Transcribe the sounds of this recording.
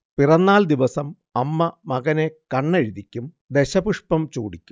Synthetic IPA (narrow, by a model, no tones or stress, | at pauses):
pirɐnːaːld̪iʋɐsɐm | ɐmːɐmɐɣɐnekɐɳːeɻiðikʲːum | d̪eɕɐbuʂpɐmt͡ɕuːɽikʲːu̥